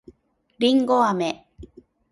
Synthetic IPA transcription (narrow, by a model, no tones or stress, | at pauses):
ɾiŋɡoame